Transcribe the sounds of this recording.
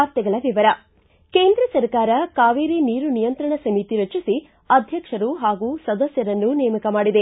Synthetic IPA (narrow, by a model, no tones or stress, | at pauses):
aːɾt̪jɐɡɐɭɐʋiʋɐɾɐ | keːnd̪ɾɐsɐɾkaːɾɐkaːʋiːɾiniːɾunijɐnt̪ɾɐɳɐsɐmit̪iɾɐt͡ʃisi | ɐd̪ʱjɐkʂɐɾuɦaːɡuːsɐd̪ɐsjɐɾɐnːunɛjɐmɐkɐmaːɽid̪e